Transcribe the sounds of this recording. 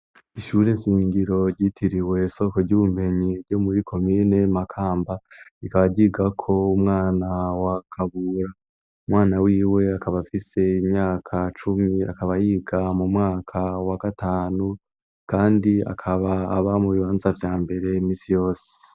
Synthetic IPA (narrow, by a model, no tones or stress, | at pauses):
iʃuːɾe̞ʃiːɲɡiɾo̞ɾɟitʰiɾiwe̞so̞koɾɟuβum̥e̞ɲiɾɟo̞muɾikʰo̞miːne̞makʰaːmbaikaβaɟiɡakʰo̞umŋaːnawakʰaβuɾa | umwaːnawiːwe̞akaβafise̞imɲaːkʰat͡ʃumia̰kaβajiːɡamumŋaːkʰawaɡataːnu | kaːndia̰kʰaβaːβamuβiβaːnzavjaːmbe̞ɾe̞miːsijo̞ːse̥